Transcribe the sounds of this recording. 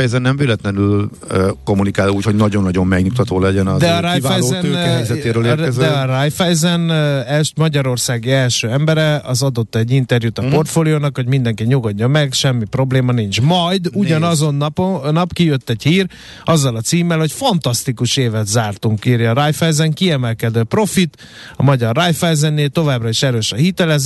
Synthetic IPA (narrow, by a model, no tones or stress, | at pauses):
ɛjɛzɛnːɛmvylɛt̪lɛnyl | øko̞munikaːluːcho̞ɟnɒɟo̞nːɒɟo̞mmɛɡɲuk̚t̪ɒt̪oːlɛɟɛnɒd̪ɛɒɾajvaɛjoɛnːzɛt̪eːɾøːleːɛzd̪ɛɒrajfɛjzɛnɛlʃmɒɟɒɾo̞rsaːɡiɛlʃøːɛmbɛɾɛɒzɒd̪o̞t̪ːɛɟːint̪ɛrjut̪ɒpo̞rt̪foːlioːnɒkho̞ɟmind̪ɛŋkiɲuɡoɟːomɛɡʃɛmːipro̞bleːmɒnint͡ʃmɒjd̪uɟɒnɒzo̞nːnɒpkijøt̪ːɛɟhiːr | ɒzːɒlɒt̪siːmːɛlho̞cfɒnt̪ɒst̪ikuʃeːvɛt̪zaːrt̪uŋkiːrjɒːɾajfɛjzɛŋkiɛmɛlkɛd̪øːpro̞fit̪ | ɒmɒɟɒrːajfɛjzɛnːeːlt̪o̞vaːbrɒiʃɛɾøːʃɒhit̪ɛlɛz